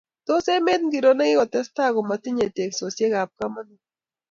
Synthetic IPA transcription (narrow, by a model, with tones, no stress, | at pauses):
to˦se˦me˦t̪̚ŋɡi˨ɾo˦nɛ˦kɪ˦kɔ˨tɛ˦sta˦ɣɔ˨ma˨ti˦ɲe˨te˨kso˨sje˦ka˨p̚ka˦ma˦ni˨